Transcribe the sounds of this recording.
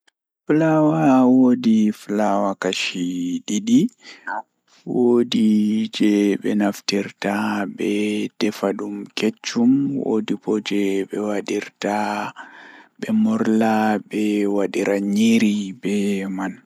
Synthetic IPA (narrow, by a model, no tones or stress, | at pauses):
flawawodiflawakaʃiɗiɗi | wodid͡ʒɛɓɛnaftiɾtabɛd̥ɛfaɗumket͡ʃːumwo̰dipɔd͡ʒɛɓɛwaɗiɾta | ɓɛmɔɾlaɓɛwaɗiɾʔaɲiɾibɛman